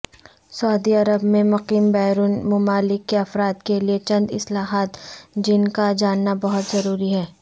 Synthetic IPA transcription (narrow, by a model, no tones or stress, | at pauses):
sɐːd̪iɐɾəbmẽmʊqiːmbɛːɾuːnmʊmaːlɪkːeɐfɾaːd̪keliet͡ʃɐ̃nd̪ɪ̰slaːɦaːt̪d͡ʒɪnkad͡ʒaːnːabɐɦʊt̪zɐɾuːɾiɦɛː